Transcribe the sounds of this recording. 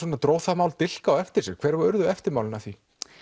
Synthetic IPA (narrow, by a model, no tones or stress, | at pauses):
ɔːnat̪ɾoːwθamaːwlt̪ɪl̥kaːwɛft̪ɪ̥sɛɣkʰɛːɾvaʏɾðʏɛft̪ɪɾmaːwlɪnaθi